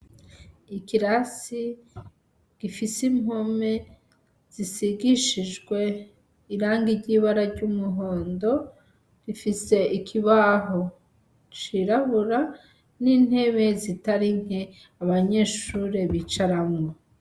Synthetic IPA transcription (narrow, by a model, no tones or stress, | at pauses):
ikiɾasi | ɡ̥ifisimo̞me̞ | z̥isiɡiʃiʒɡwe̞ | iɾaːŋɡiɾɟiːβaɾaɾɟumuɦo̞ːndo̞ | ɡifise̞ʔikʰiβaɦo̞ | t͡ʃiɾaβuɾa | nin̥he̞βe̞zitaɾiŋ̥e | aβaɲe̞ːʃuɾeβit͡ʃaɾamŋo